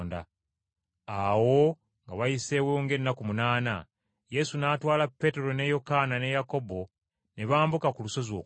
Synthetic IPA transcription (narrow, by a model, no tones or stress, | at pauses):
nda | awo̞ | ŋɡaβajise̞woːŋɡe̞nːakumunaːna | je̞sunaːtwaːlapːe̞te̞ɾo̞ne̞jo̞kanane̞jako̞bo̞ | ne̞βaːmbukakuluso̞zwoː